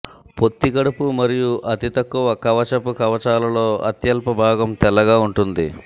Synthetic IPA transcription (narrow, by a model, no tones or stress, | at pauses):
po̞t̪ːiɡɐɽupumɐɾijuʔɐt̪it̪ɐkːuʋɐkɐʋɐt͡ʃɐpukɐʋɐt͡ʃaːlɐlo̞ːɐ̰t̪jɐlpɐbʱaːɡɐmt̪ɛlːɐɡaːuɳʈund̪i